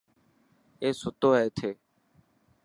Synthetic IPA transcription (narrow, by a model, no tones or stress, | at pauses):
eːsʊt̪oːɦeːt̪ʰeː